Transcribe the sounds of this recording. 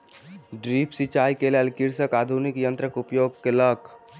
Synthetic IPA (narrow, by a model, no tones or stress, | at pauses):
ɖɾipʰsit͡ʃajkelelkiɾsəkad̪ʱunikjənt̪ɾəkupjoɡkelək